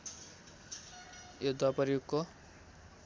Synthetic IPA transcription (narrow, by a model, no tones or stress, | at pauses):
jod̪wapʌrjuɡko